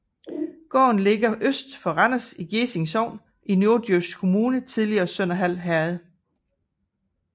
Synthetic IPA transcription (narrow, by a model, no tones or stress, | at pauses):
ɡ̥ɒ̰ːnle̝ɡ̥ɐʔøsd̥fɒ̽ʁɑnɐsiɡ̥ese̝ŋshɒʊ̰n | inoɐd̥øskʰo̝muːnət͡sʰiðˠliɐːsœn̰ɐɦæl̰ɦæɐð̩ˠ